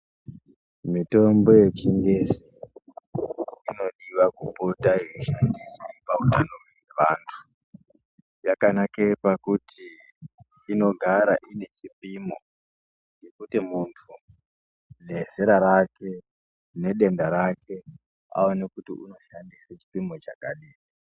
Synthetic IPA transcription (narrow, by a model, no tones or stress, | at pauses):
mito̞mbo̞je̞t͡ʃiŋɡesi | ino̞ɗiʋakupotaiʃandisipautanoweeʋantʰu̥ | jakanakepakutʰiː | no̞ɡʱaɾaʔine̞t͡ʃipimo̞ | ŋɡe̞kutimuntʰu | ne̞z̥eɾaɾake̞ | ne̞ɗe̞ndaɾakʰe̞ | a̰onekutḭuno̞ʃandiset͡ʃi̥pimo̞t͡ʃakaɗiː